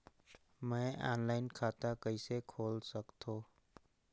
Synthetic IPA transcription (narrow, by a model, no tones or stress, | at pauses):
mɛ̃ːa̰ːnlaːɪnkʰaːt̪akəɪsekʰoːlsəkt̪õː